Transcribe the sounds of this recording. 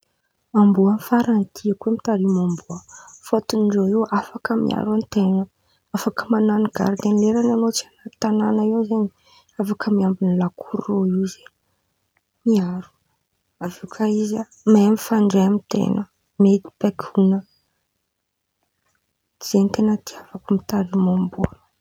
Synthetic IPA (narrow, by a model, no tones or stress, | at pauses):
ambuanfaɾant̪ʰiakemit̪aɾimambuəfot̪unɖ͡ʐoewafakəmḭʔa̰ɾant̪enə | afakəmananiɡa̰ɾd̪enleɾananot͡sianat̪ananaewzeɲi | afakʰəmiambinilakʰuɾroiwze | miaɾu̥ | avikʰaiza | maemifaɳɖ͡ʐeamit̪ḛnə | med̪i̥b̥akʲʰunə | z̥ent̪enət̪iavakumit̪aɾimambua